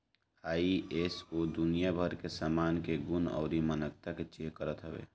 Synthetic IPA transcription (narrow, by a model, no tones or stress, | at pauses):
aːieːsoːd̪ʊnijabʱəɾkesaːmaːnkeɡʊnɔ̰ːɾimənək̚t̪aket͡ʃeːkəɾət̪ɦəʋḛː